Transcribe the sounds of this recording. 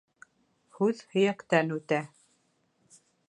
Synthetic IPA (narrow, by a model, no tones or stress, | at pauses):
hʉðhɵ̆jækt̪ænʉt̪æ